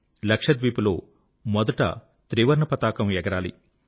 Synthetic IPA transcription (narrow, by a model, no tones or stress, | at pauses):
lɐkʂɐd̪ʋiːpulo̞ː | mɔd̪ɐʈɐ̰ | t̪ɾiːʋɐɾɳɐpɐt̪aːkɐmɛɡɐɾaːlḭ